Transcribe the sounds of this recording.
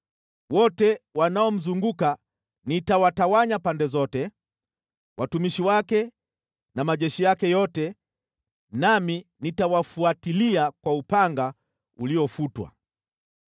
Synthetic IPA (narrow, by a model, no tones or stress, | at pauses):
wɔtɛwanaɔm̩zuŋɡuka | nitawatawaɲapandɛzɔtɛ | wʔatumiʃiwakɛ | namaʄɛʃijakɛjɔtɛ | naminitawafuatiliakwaupaŋɡa | uliɔfutwa̰